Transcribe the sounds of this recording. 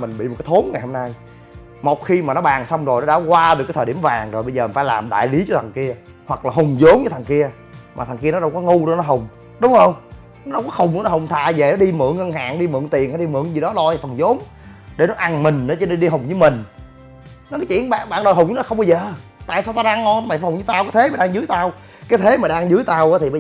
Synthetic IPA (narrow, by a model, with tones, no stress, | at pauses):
mï˨˩ŋ̟ɓḭ˧˨m̚˨˩kːaː˨˦t̪ʰo˨˦nŋa˨jho˧na˧j | mo˨˩t̚xi˧maː˨˩nɔ˨˦ɓaː˨˩ŋsa˧wŋ͡mzo˨˩jnɔ˨˥ɗa̰ː˧˥kwaː˧ɗɨ˨˩ka˨˦t̪ʰəː˨˩i˧˩əmvaː˨˩ŋzo˨˩jɓə˧zəː˨˩m˨˩faː˧˦jlaː˨˩mɗa̰ː˧˨jli˨˦t͡ɕɔ˧˩t̪ʰa˨˩ŋki˧ə | hwa˨˩k̚laː˨˩ɦʊ˨˩ŋ͡mzo˨˦ŋ͡mzə˨˦t̪ʰa˨˩ŋki˧ə | maː˨˩t̪ʰŋki˧ə˧nɔ˨˦ɗə˧wŋ͡mkɔ˨˦ŋu˧ɗo˧˦nɔ˨˦ɦʊ˨˩ŋ͡m | ɗʊ˨˦ŋ͡mhə˧wŋ͡m | nɔ˨˦ɗə˧wŋ͡mkɔ˨˦hʊ˨˩ŋ͡mnɔ˨˦ɦʊ˨˩wŋ͡mt̪ʰa̰ː˧˨ve˨˩ɔ˨˦ɗi˧mɨ̰˧˨əŋːə˧ŋɦa̰ː˧˨ŋɗi˧mɨ̰˧˨əŋt̪i˨˩əna˨˧˩ɗi˧mɨ̰˧˨əŋzi˨˩ɗɔ˨˦lɔ˧jfə˨˩nzo˨˦m | ɗe˧˩nɔ˨˦ʔa˧ŋmï˨˩ŋ̟ɗə˨˦t͡ɕɔ˧ne˧nɗi˧ɦʊ˨˩wŋ͡mzɨː˨˦mï˨˩ŋ̟ | n˨˦kaː˨˦jt͡ɕḭ˧˨ənɓa̰ː˧˨nɓa̰ː˧˨nɗo˨˩ɦʊ˨˩wŋ͡mɔ˨˦xə˧ŋ͡mɓə˧zəː˨ | t̪a̰ː˧˨saː˧wt̪aː˧wɗaː˧ŋɔ˧n˨˦ma˨˩˨hwŋ͡mzɨ˨˦t̪aː˧wka˨˦t̪ʰe˨˦maː˨˩ɗaː˧ŋzɨ˨˦jt̪aː˧w | kaː˨˦jt̪ʰe˨˦maː˨˩ɗaː˧ŋzɨ˨˦əjt̪aː˧wʔaː˨˦t̪ʰi˨˩ɓə˧